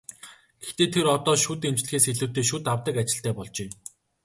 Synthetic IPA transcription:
ɡ̥ext̪eːt̪ʰeɾɔt̪ɔːʃuːt̪emt͡ɕɮɘ̆xeːseɮŭːt̪eːʃ̬uːt̪awt̪ə̆kat͡ɕɪ̆ɬt̪æːpɔɮt͡ɕeː

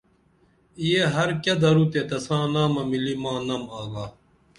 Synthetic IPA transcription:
ijeɦɐɾkɐd̪ɐɾut̪et̪ɐsãːnaːmɐmilimãːnɐmaːɡaː

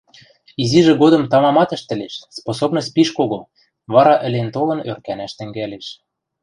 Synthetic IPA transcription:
iziʒĕɡod̪ɤ̆mt̪ɑmɑmɑt̪ə̆ʃt̪ɘ̆leʃsposobnŏsʲt̪̚ʲpiʃkoɣo | βɑɾɑʔɘ̆lent̪olɤ̆nørkænæʃt̪ɘ̆ŋɡæleʃ

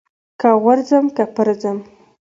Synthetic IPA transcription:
kaɣaɾzəmkapəɾzəm

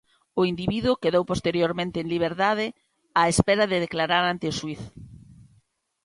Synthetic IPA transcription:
ʊind̪iβiðwʊkeðowpost̪eɾjoɾmẽnt̪eːŋliβ̞eɾt̪að̞ɪ | aespɛɾɐðɪðeklaɾaɾant̪eʊswiθ

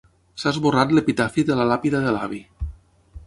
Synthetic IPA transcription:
sazβorat̪lepit̪afiðelalapiðaðelaβi

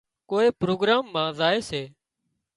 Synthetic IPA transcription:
koːeːpɾoːɡɾaːmːãːzaːeːseː

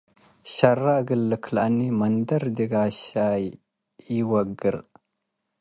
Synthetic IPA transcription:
ʃɐrːaɡəlːəkʰlʔanːimɐndɐɾd̪iɡaʃaj | iwɐɡəɾ

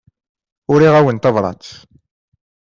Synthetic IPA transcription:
ʊɾiʁæwənt̪ɑvɾˤɑ̰t͡sː

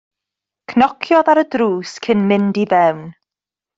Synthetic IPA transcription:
kʰnɔkʰjɔðaɾədɾuːskʰɪnmɪndivɛwn

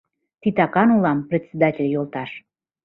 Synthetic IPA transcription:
t̪it̪ɑkɑnulɑmprʲet̪ʲsʲed̪ɑtʲelʲjolˠt̪ɑʃ

